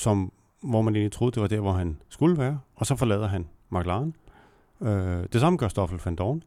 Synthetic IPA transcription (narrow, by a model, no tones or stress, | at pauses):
sɒ̽m | ʋɒmæne̝̰ːnit͡sʰʁo̝ːðˠd̥e̝ʋɑ̈d̥æɐ̰ʋɒɦænsɡ̥uləʋæːɐɒ̽sɒ̽fɒ̽lɛ̰ːðˠɐɦæn | mɑ̈ɡ̥lɑ̈ːn | ød̥e̝sɑ̈məɡ̥ɶɐsd̥ɒ̽fl̩fænd̥ɒːn